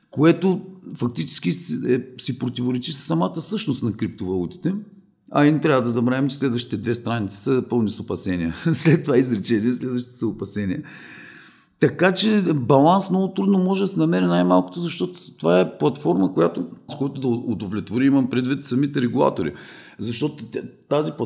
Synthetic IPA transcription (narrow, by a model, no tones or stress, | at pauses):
koɛt̪ofɐk̚t̪it͡ʃɛ̥sk̟iɛsipɾot̪ivoɾɛt͡ʃissːɐmat̪əsɤʃtnost̪nɐkɾip̚t̪ovɐlˠut̪i̥t̪ɛ | ɐ̰int̪ɾʲavəd̪ɐzɐbɾaɛmt͡ʃɛslɛd̪vəʃt̪it̪ɛd̪vɛst̪ɾanit̪si̥səpɤlˠnisopɐsɛnʲiəslɛt̪ːovaizɾɛt͡ʃɛniɛslɛd̪vɐʃt̪it̪səopɐsɛniə | t̪ɐkat͡ʃɛbɐlˠansmnɔɡʊt̪ɾud̪nomɔʒɛd̪ɐsɛnɐmɛɾɛnajmalˠkʊ̥t̪ozɐʃt̪ɔt̪o̥t̪ovaɛplˠɐt̪fɔɾməkojat̪oskɔjt̪od̪ɐod̪ovlʲɛt̪voɾiimɐmpɾɛd̪vit̪sɐmit̪ɛɾɛɡulˠa̰t̪oɾḭ | zɐʃt̪ɔt̪ʊat̪azipˠ